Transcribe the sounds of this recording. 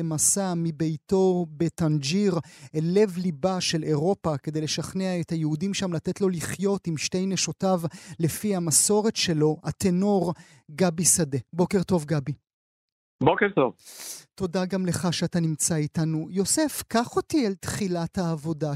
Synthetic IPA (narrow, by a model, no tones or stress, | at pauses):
emasamibe̞jto̞be̞tand͡ʒiʁele̞vlibaʃe̞le̞ʁo̞pake̞d̪e̞jle̞ʃaχneae̞thajehudimʃamlatetlo̞liχjo̞timʃte̞jneʃotavle̞fihamaso̞ʁe̞tʃe̞lo̞ʔateno̞ʁ | ɡabisade̞bo̞keʁto̞vɡabi | bokeʁt̪ovto̞daɡamle̞χaʃeatanimt͡saitanujo̞se̞fkaχo̞tialt̪χilathaːvo̞da